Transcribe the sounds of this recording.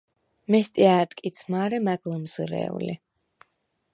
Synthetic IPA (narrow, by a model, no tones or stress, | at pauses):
mɛst̪ʼiaːt̪ʼkʼit̪sʰmaːɾɛmaɡlˠəmz̥ɾɛ̰ṵlḭ